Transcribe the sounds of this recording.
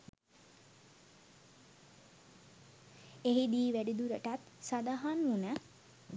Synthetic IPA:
eɦid̪iːʋæɖid̪uɾəʈat̪sad̪aɦanʋunə

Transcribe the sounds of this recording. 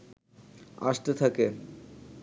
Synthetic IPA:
a̰ʃt̪et̪ʰake

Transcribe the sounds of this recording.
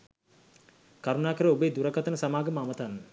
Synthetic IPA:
kaɾunaːkəɾəobəeːd̪uɾəkat̪ənəsamaːɡəmamət̪anːə

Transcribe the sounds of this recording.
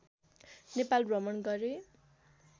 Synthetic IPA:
nepalrʌmʌnɡʌɾe

